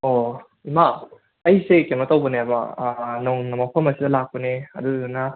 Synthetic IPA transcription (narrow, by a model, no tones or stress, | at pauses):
o | imaː | jsekemɐtɐwbɐnebɐ̰noŋnɐmɐpʰɐmɐsidɐlak̚pɐneɐ̰duna